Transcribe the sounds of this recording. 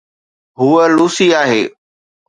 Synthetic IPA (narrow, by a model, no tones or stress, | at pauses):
ɦuəluːsiaːɦeː